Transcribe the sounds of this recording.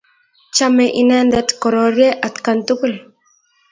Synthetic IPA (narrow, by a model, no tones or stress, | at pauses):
t͡ʃameʔinɛnd̪ɛt̪koɾoɾjeʔat̪kant̪ukul